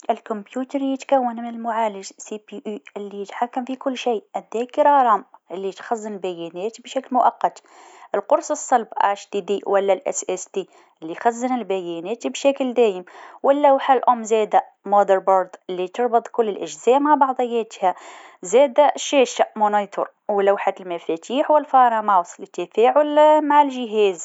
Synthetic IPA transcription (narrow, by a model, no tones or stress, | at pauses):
ʔɪlkʊmbjuːt̪ɾjɪt̪kawːanmɪnɪlmʊʕaːlɪʒsipiʔuːʔɪlːijɪt̪ħakːamfikʊlːʃiːʔad̪ːeːkɪɾɑɾˤɑmʔɪlːit̪xazːɪnɪlbæjɛːneːt̪ibʃaklmʊʔɑqːɑt̪ | ʔɪlqʊɾsɨsˤːɑlbʔa̰ʃd̪id̪iːwʔalːalʔɛ̰sʔɛsd̪iː | ʔɪlːijxazːɪnɪlbajeːneːt̪ibʃakld̪eːjɪmwʔɪlːawħalʔʊmːzɛːd̪a | mod̪əɾboɾd̪ɪlːit̪ɨɾˤbɨd̪ˤkʊlːɪlʔɪʒzæːʔmaʕbɑʕd̪ˤɑjːæːt̪hazæːd̪aʃæːʃaʔmonɑjt̪ʰo̰ɾ | wɪlːawħalmæfæt̪iːħwɪlfɑɾˤɑmɑwsˤlit̪ɪfaːʕʊlmaʕɪlʒɪɦeːz